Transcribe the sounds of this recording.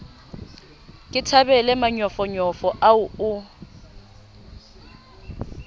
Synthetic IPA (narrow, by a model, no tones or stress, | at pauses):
kʼɪtʰabɛlɛmaɲɔfɔɲɔfɔʔaʊʊ